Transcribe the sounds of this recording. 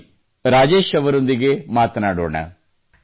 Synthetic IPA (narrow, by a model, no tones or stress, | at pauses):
ɾaːd͡ʒeːʃɐʋɐɾõnd̪iɡemaːt̪naːɽoːɳɐ̰